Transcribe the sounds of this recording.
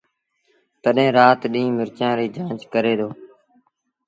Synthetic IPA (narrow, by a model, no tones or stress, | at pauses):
t̪əɗẽːɾaːt̪ɗĩːmɪɾt͡ʃãːɾiːd͡ʒãːt͡ʃkəɾeːd̪oː